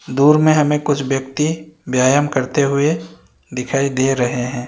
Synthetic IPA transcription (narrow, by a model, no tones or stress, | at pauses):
d̪uːɾmẽɦɐmẽkʊt͡ʃʰʋjɐkt̪ibjaːjəmkɐɾt̪eɦʊe | d̪ɪkʰaːid̪eːɾɐɦeɦɛ̃ː